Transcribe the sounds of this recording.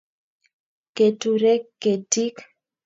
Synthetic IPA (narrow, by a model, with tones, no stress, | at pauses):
ke˨tu˨ɾɛ˦kːe˨ti˦k